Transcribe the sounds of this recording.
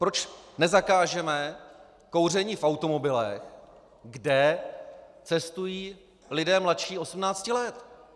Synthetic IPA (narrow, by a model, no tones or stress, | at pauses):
pɾot͡ʃnɛzakaːʒɛmɛ | ko̞wr̝ɛɲiːfʔawt̪o̞mo̞bɪlɛx | ɡdɛ | t͡sɛst̪ujiː | lɪdɛːmlat̪ʃiːo̞smnaːt͡scɪlɛt̪